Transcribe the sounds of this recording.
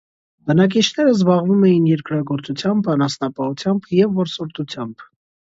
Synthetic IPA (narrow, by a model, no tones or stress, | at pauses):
bənɑk̬it͡ʃʰnɛɾəzbɑʁvumɛjinjɛɾkɾɑɡɔɾt͡sut͡sʰjɑmbɑnɑsnɑpɑhut͡sʰjɑmbjɛvːɔɾsɔɾt̪ut͡sʰjɑmb̥